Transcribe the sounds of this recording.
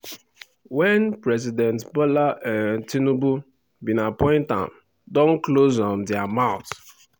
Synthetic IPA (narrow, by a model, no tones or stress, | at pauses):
wɛnpɹɛzidɛ̃ntbɔlaʔɛntinubu | bĩnapɔ̃ɪ̃ntã̰m | dɔ̃nklozɔ̃ndiamãʊ̃t